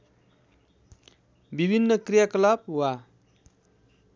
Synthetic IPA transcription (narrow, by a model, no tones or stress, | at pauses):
bibʱinːʌkrijakʌlab̚wa